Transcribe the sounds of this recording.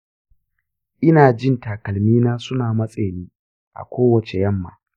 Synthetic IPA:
ʔɪ˦naː˨d͡ʒɪ˦ntaː˨kɐ˨lmiː˦naː˦sʊ˦naː˨mɐ˦sʼeː˨niː˦ | ʔa̰˨kʷoː˦wɐ˨t͡ʃe˨jɐ˦mːa̰ː˨

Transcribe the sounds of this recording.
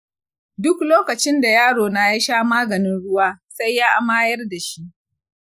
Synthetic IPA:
dʊ˦kloː˦kɐ˨t͡ʃɪ˦nda˨jaː˦ɽoː˨na˦ja˦ʃaː˦maː˦ɡɐ˨nɪ˦nɽʊ˦waː˦sa˦jːaː˦ʔa˦maː˦jɐ˦rda˨ʃi˦ʔ

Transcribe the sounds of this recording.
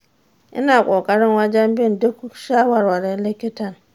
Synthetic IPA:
ɪ̰˦na˨kʷʼɔ˨kʼa˦ɾɪ˦nwa˦d͡ʒa˦m˦bɪ˦˨nde˦ku˦kʃa˦wa˨ɾwa˨ɾɛ˦le˦kːe˦ta˨n

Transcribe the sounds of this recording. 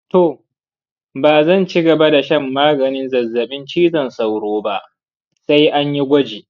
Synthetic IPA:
to˨ | baː˨zɐ˦˨nt͡ʃi˦ɡɐ˨ba˦da˨ʃɐ˦mːaː˦ɡɐ˨nɪ˦nzɐ˨zːɐ˨ɓɪ˦nt͡ʃiː˦zɐ˨nsa˨wɽoː˦ba˦ʔ | sa˦jʔa˦ɲji˦ɡʷɐ˦d͡ʒeː˨

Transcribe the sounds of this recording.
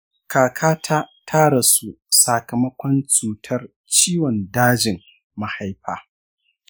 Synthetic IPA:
kʰaː˨kʰaː˦tʰa˦tʰaː˦ɽa˨su˦˨ | sa˨kɐ˨mɐ˦kʷɔ˦nt͡ʃuː˨tʰɐ˦r | t͡ʃiː˦wɔ˨ndaː˦d͡ʒɪ˨m | ma˨ha˦jɸaː˦˨

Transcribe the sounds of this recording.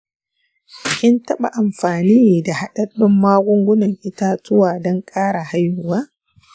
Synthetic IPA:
kʲɪ˦ntɐ˦ɓa̰˨ʔa˨mɸaː˨niː˦˨da˨ha˦ɗɐ˦ɗʊ˦mːaː˦ɡʷʊ˦ŋɡʷʊ˦nɐ˨ŋʔɪ˦ta˦tʊ˦waː˨dɔ˦ŋkʼaː˦ɽa˨ha˦jhʊ˦˨waː˦

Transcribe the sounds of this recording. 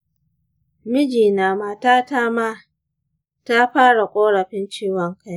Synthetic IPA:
mɪ˦d͡ʒiː˨naː˨maː˨taː˦ta˦ma˦ | ta˦ɸaː˦ɽa˨kʷʼoː˦ɽɐ˨ɸɪ˦nt͡ʃiː˦wɔ˨ŋka˦j

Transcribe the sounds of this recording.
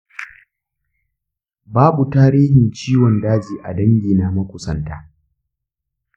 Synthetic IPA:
baː˦bu˨taː˦ɾiː˦hɪ˨nt͡ʃiː˦wɔ˨ndaː˦d͡ʒiː˨ʔa̰˨dɐ˦ŋɡʲiː˨na˦mɐ˦kʷʊ˨sɐ˦˨ntaː˦

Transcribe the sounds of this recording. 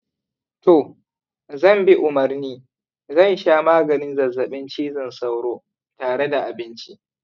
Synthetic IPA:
toː˨ | zɐ˦˨mbi˦ʔʊ˨mɐ˨rniː˦ | zɐ˦˨n˦ʃaː˦maː˦ɡɐ˨nɪ˦nzɐ˨zːɐ˨ɓɪ˦nt͡ʃiː˦zɪ˨nsa˦wɽoː˦ | taː˨ɽe˦da˨ʔa˨bɪ˦nt͡ʃi˦ʔ

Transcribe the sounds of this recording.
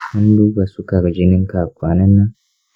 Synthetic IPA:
hɐ˦n˦du˦ba˨su˦ka˨ɾd͡ʒɪ˦nɪ˦ŋkaː˨kʷaː˨nɐ˦nːa˦

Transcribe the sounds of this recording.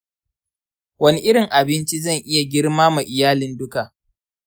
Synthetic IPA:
wɐ˦ni˦ʔɪ˦ɽɪ˨ŋʔa˨bɪ˦nt͡ʃi˦zɐ˦˨ŋʔɪ˦ja˨ɡʲɪ˦ɽmaː˦ma˨ʔɪ˨jaː˦lɪ˦ndʊ˦ka˨ʔ

